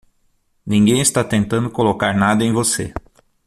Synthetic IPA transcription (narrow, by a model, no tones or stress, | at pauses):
nĩŋɡẽj̃ɪst̪at̪ẽnt̪ɐ̃nd̪ʊkolokaɾnad̪ɐẽj̃vosḛ